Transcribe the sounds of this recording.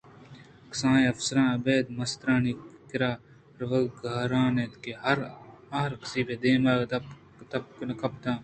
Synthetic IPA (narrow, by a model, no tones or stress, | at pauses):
ksãːẽɐfsəɾãːɐbeːd̪mɐst̪ɾãːnikɪɾaː | ɾʋɐɡʱɐːɾãːneːt̪keɐɾaːɾkə̥siːbeːd̪eːmaːɡt̪ɐp | t̪ɐp̚knɐkɐpt̪ãː